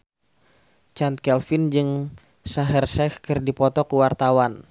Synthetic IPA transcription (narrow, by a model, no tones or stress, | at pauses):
t͡ʃant̪̚kɛlfɪnd͡ʒɨŋ | saɦɛrsɛkkɨrdipɔt̪ɔkəwart̪awan